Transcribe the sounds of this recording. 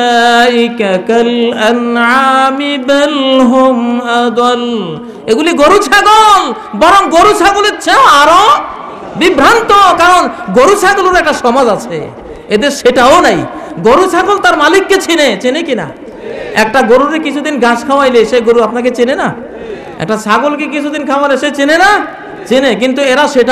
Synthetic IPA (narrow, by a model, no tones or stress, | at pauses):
kakalanʕamibɛlɦomad̪ɔl | eɡuliɡoɾut͡ɕʰaɡol | bɔɾoŋɡoɾut͡ɕʰaɡolet͡ɕʰeaɾo | bibɾant̪okaɾonɡoɾut͡ɕʰaɡoloɾɛk̚ʈaʃɔmad͡ʑat͡ɕʰḛ | ed̪eɾʃeʈaonajɡoɾuʃʰaɡolt̪aɾmalikːet͡ɕʰinet͡ɕinekina̰ | ɛk̚ʈaɡoɾuɾekit͡ɕʰud̪inɡãskʰawajleʃeɡoɾuapnak̬et͡ɕinena | ɛ̰k̚ʈasaɡolk̬ek̬it͡ɕʰud̪inkʰaoaɾeʃet͡ɕinena | t͡ɕinek̬int̪ueɾaʃeʈa